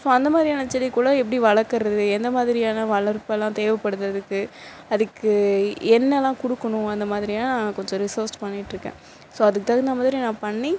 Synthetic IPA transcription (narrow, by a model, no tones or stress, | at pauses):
soːɐnd̪ɐmaːðɾijːnat͡ʃːɛlːikuːɽɐɛpːɐɽiʋɐɭɐɾkːɐɾɐðɯɛnd̪ɐmaːðɪɾɪjaːnɐʋɐɭɐɾpɛlːãːt̪eːʋɐpːɐɽɯðɐðɯkːɯ | ɐðɯkːɯɛnːɛlːãːkʊɽɯkːɐɳʊ̃ɐnd̪ɐmaːðɪɾɪjaːnãːkɔɲd͡ʒɔ̃ɾɪsɐːɾspɐnːɪʈːɾɯkːḛ̃ː | soːɐðɯkːɯt̪aːɣɐnd̪ɐmaːðɪɾinãːpɐɳːi